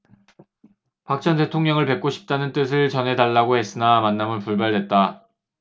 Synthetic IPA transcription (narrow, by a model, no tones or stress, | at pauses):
pak̚t͡ɕ͈ʰʌnde̞tʰoŋɲʌŋɯɭpe̞k͈̚oɕʰi̥p̚t͈anɯnt͈ɯs̬ʰɯɭt͡ɕʌnɦe̞daɭːaɡoɦe̞s͈ɯnamanːamɯnpuɭbaɭdwet̚t͈a